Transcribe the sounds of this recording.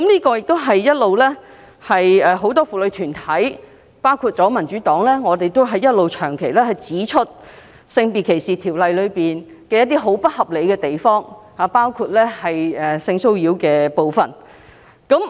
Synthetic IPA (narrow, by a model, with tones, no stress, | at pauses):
kɐ˨˥mliː˥kɔː˧jɪ˨k̚t̪o˥wɦɐ˨jjɐ˥t̚lo˨˧wlɛː˥ | hɐ˨jɛː˨˧ɦo˨˧˥wt̪̬ɔː˥fuː˨lɵ˨˧t̪ʰyː˨˩nt̪ʰɐ˨˥j | paː˥wkʰuː˧t̚t͡sɔː˨˥mɐ˨˩nt͡ʃyː˨˥t̪ɔː˨˥ŋlɛː˥ŋɔː˨˧t̪e˨jt̪o˥wɦɐ˨jɐ˥t̚lo˨wt͡ʃʰœː˨˩ŋkʰe˨˩jlɛː˥hɐ˨jt͡siː˨˥t͡ʃʰɵ˥t̚ | sɪ˧ŋpiː˨kʰe˨˩jsiː˨t̪ʰiː˨˩wlɐ˨jlɵ˨˧ɥpiː˨n | kɛː˧jɐ˥t̪̚ːiː˥ɦo˨˥wpɐ˥t̚hɐ˨p̚le˨˧jkɛː˧t̪e˨jfɔː˥ŋhaː˨˧paː˥wkʰuː˧t̚lɛː˥hɐ˨jɛː˨sɪ˧ŋso˥wji˨˥wkɛː˧po˨˧wfɐ˨˩n | kɐ˨˥m